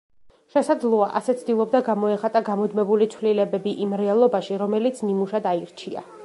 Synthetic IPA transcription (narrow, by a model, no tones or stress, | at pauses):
ʃɛsad̪zlˠɔaʔa̰sɛt̪sʰd̪ilˠɔb̚d̪aɡamɔɛχat̪ʼaɡamɔd̪mɛbulit̪sʰvlilɛbɛbiʔimɾɛalˠɔbaʃiɾɔmɛlit̪sʰnimuʃad̪aiɾt͡ʃʰia̰